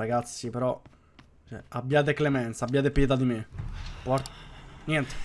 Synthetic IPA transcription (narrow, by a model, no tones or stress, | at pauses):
ɾaɡat̪sːipeɾɔ | t͡ʃɛ̰abːjaːt̪̬eklemɛnt̪sabːjaːt̪̬epjɛt̪̬ad̪imepɔɾt̪njɛnt̪e̥